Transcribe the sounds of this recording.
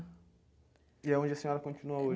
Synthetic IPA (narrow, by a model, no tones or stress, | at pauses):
iɛõd͡ʒɪɐsẽɲɔɾɐkõt͡ʃinuɐo